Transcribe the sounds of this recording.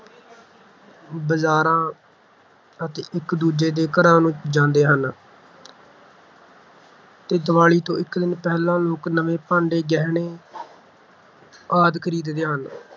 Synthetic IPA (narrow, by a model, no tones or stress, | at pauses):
bəzaːɾãː | ət̪eːʔɪkd̪uːd͡ʒeːd̪eːkəɾãːnũːd͡ʒãːnd̪eːɦən | t̪eːd̪əʋaːɭiːt̪õːɪkd̪ɪnpɛːlãːloːknəʋeːpãːɳɖeːɡɛːɦɳeː | aːd̪kʰəɾiːd̪d̪eːɦən